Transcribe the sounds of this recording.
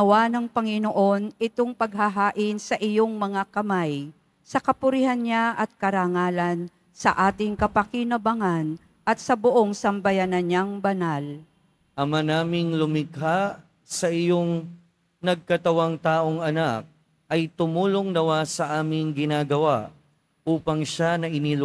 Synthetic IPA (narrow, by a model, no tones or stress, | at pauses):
ɐwanɐŋpɐŋɪno̞ʔo̞nʔɪt̪o̞ŋpɐɡ̚ɦaɦaːʔɪnsɐʔɪjo̞ŋmɐŋakɐmaj | sɐkɐpʊɾɪhanɲaʔɐt̪̚kɐɾaŋaːlɐn | sɐʔaːt̪ɪŋkɐpɐkinɐbaŋan | ʔɐt̪̚sɐbʊʔo̞ŋsɐmbɐjanɐnaŋbɐnal | ʔɐmanaːmɪŋlʊmɪkɦa | sɐʔɪjoŋ | nɐɡ̚kɐt̪ɐwaŋt̪aːʔoŋɐnak̚ | ʔɐjt̪ʊmuːloŋnɐwasɐʔaːmɪŋɡɪnaːɡɐwaʔ | ʔuːpɐŋʃanɐʔɪnil